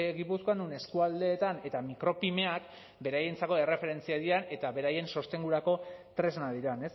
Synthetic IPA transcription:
ɣipuskoand̪une̞skuald̪e̞ːt̪ane̞t̪amikɾo̞pime̞ak | be̞ɾaje̞nt͡sako̞e̞re̞fe̞ɾe̞nt͡siaðiɾane̞t̪aβe̞ɾaje̞nso̞st̪e̞ŋɡuɾako̞t̪ɾe̞znaðiɾane̞s

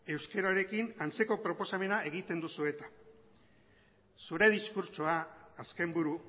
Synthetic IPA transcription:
e̞wske̞ɾaɾe̞kinant͡se̞ko̞pɾo̞po̞same̞nae̞ɣ̞it̪e̞nd̪usue̞t̪ḁ | suɾe̞ð̞iskuɾt͡ʃoaːske̞mbuɾu

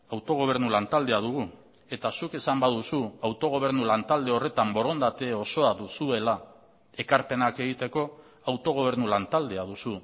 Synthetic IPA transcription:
awt̪o̞ɣ̞o̞β̞e̞ɾnulant̪ald̪e̞aðuɣ̞u | e̞t̪asuke̞sambaðusuawt̪o̞ɣ̞o̞β̞e̞ɾnulant̪ald̪e̞o̞re̞t̪ambo̞ɾo̞nd̪at̪e̞o̞so̞aðusue̞la | e̞kaɾpe̞nake̞ɣ̞it̪e̞ko̞ | awt̪o̞ɣ̞o̞βe̞ɾnulant̪ald̪e̞aðusu

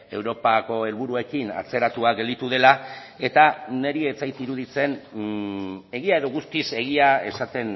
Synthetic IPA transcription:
e̞wɾo̞pako̞e̞lβuɾue̞kina̰t͡se̞ɾat̪uaɡe̞ld̪it̪uðe̞lae̞t̪ane̞ɾie̞t͡sajt̪iɾuðit͡se̞n | e̞ɣiae̞ðo̞ɣust̪ise̞ɣ̞iae̞sat̪e̞n

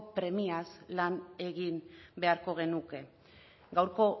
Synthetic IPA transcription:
pɾe̞miaslane̞ɣimbe̞aɾko̞ɣ̞e̞nuke̞ | ɡawɾko̞

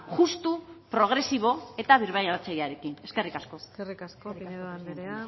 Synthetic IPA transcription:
ɣust̪upɾo̞ɣ̞ɾe̞siβ̞o̞e̞t̪aβ̞iɾβajaɾat͡sajaɾe̞kine̞ske̞rikasko̞erikaskoneaneɾea

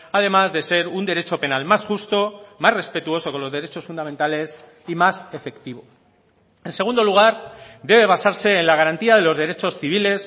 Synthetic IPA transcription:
að̞e̞mazðe̞se̞ɾund̪e̞ɾe̞t͡ʃo̞pe̞nalmasxust̪o̞mazre̞spe̞t̪uo̞so̞ko̞nlo̞zð̞e̞ɾe̞t͡ʃo̞sfund̪ament̪ale̞s | imase̞fe̞kt̪iβ̞o̞ | e̞nse̞ɣ̞und̪o̞luɣ̞aɾd̪e̞β̞e̞β̞asaɾse̞ːnlaɣ̞aɾant̪iað̞e̞lo̞zðe̞ɾe̞t͡ʃo̞sθiβ̞ile̞s

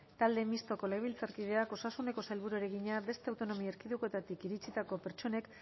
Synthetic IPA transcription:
t̪ald̪e̞mist̪o̞ko̞leβilt͡saɾkið̞e̞ako̞sasune̞ko̞sajlβuɾueɾe̞ɣiɲaβe̞st̪e̞awt̪o̞no̞miaeɾkiðuko̞e̞t̪at̪ikiɾit͡sit̪ako̞pe̞ɾt͡ʃo̞ne̞k

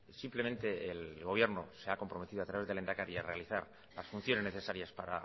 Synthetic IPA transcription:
simple̞me̞nt̪e̞elɣo̞β̞je̞ɾno̞se̞ako̞mpɾo̞me̞t̪iðoat̪ɾaβe̞zðele̞nd̪akaɾiare̞aliθaɾ | lasfun̟θjo̞nezne̞θe̞saɾjaspaɾa̰

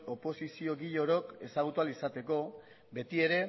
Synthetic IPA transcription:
o̞po̞sisio̞ɣiʎo̞ɾo̞ke̞saɣ̞ut̪ualisat̪e̞ko̞ | be̞t̪ie̞ɾe̞

